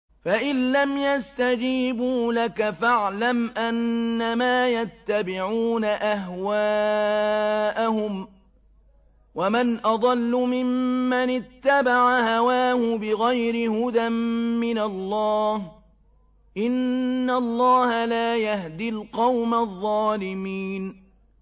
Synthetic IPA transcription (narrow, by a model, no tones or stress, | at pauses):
faʔɪlːamjast̪ad͡ʒiːbuːlakafaʕlamʔanːamaːjat̪ːabɪʕuːnaʔaɦwaː | ʔahʊm | wamɪnʔɑd̪ˤɑlːʊmɪmːanɪt̪ːabaʕahawaːhʊbɪɣajɾɪhʊd̪amːɪnalˤːɑːh | ʔɪnːalˤːɑːhalaːjahd̪ɪlqɑwmaðˤːɑːlɪmiːn